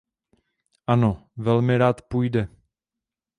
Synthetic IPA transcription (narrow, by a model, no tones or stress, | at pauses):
ʔanovɛlmɪɾaːt̪pujdɛ